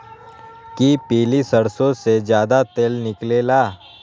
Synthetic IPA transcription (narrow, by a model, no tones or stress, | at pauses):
kipiːlisəɽsõsed͡ʒjaːd̪at̪eːlnɪkleːlaː